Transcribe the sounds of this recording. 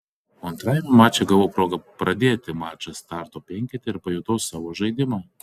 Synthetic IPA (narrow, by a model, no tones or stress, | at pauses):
ɐnt̪ɾɑjɛmʲɛmɑːt͡ʃʲɛɡɐʋopɾoːɡɐpɾɐd̪ʲeːt̪ʲɪmɑːt͡ʃʲɐst̪ɑˑɾt̪oːpʲɛŋʲkʲɛt̪ʲeɪɾpɐjoʊt̪ɐʊssɑːʋoːʒɐɪd̪ʲɪmɑː